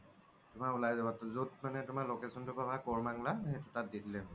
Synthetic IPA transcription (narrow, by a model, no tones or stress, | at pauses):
tʊmaulajzabatzut̚manɛtʊmalokesɔntʊpabakɔɹmaŋlahetʊtat̚ditlɛɦ